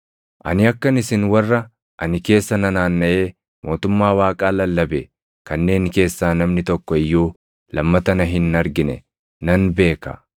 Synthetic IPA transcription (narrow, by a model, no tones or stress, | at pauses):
ʔɐ̰nɪɐkːɐnɪsɪnwɐrːɐ | ʔɐnɪke̞ːsːɐnɐnaːnːɐʔe̞ː | mʔo̞ːt̪ʊmːaːwaːkʼaːlɐlːɐbɛ | kɐnːe̞ːŋke̞ːsːaːnɐmnɪt̪ɔkːɔɪjːoː | lɐmːɐt̪ɐnɐɦɪnːɐɾɡɪnɛ̰ | nɐnbe̞ːkɐ̰